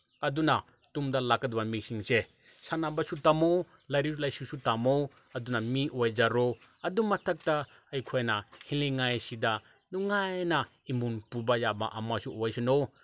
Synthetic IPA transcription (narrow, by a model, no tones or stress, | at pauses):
ɐduna | tumdɐlakɐd̚bamik̚siŋse | sanabasutamo | lajɾilajsusutamo | ɐdunamiʔojd͡ʒaɾoɐdumɐtʰɐk̚ta | ɐjkʰojnahiliŋajsida | nuŋajna | imunpubajaba̰ʔɐmasuojsuno